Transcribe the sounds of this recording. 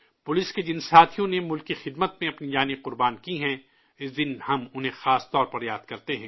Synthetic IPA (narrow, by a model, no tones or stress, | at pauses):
pʊlɪsked͡ʒɪnsaːt̪ʰijõnemʊlkixɪd̪mət̪̚mẽɐpnid͡ʒaːniqʊɾbaːnkiɦɛ̃ | ɪsd̪ɪnhɐmʊnɦẽxaːst̪ɔːɾpɐɾjaːd̪̥kɐɾt̪eɦɛ̃ː